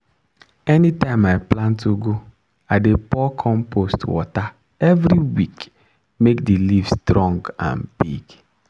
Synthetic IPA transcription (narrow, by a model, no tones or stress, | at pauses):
ɛnitãɪmaɪplãntuɡu | aɪdepɔkʰɔ̃mpʰostwɔta | ɛvɾiwik | mekdilivstɾɔ̃ŋɡã̰nbiɡ